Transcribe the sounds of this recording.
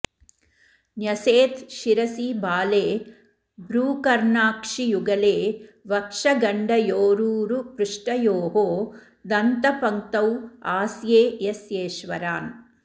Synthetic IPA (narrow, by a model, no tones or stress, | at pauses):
njɐseːt̪ʃiɾɐsibaːleː | bɾuːkɐɾɳaːkʂijuɡɐleːʋɐkʂɐɡɐɳɖɐjoːɾuːɾupɾuʂʈɐjoːɦoː | d̪ɐnt̪ɐpɐŋt̪ɐwaːsjeːjesjeːʃʋɐɾaːn